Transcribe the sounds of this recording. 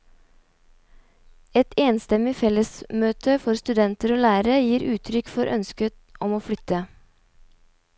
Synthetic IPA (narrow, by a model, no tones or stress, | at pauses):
ɛt̪ʰeːnst̪ɛmɪfɛləsmøːt̪ʰəfɔɾst̪ʉd̪ɛnt̪əɾoːlæːɾəjiːɾʉːt̪ʰɾʏkfɔɾʔœnskət̪ | ʔɔmoːflʏt̪ə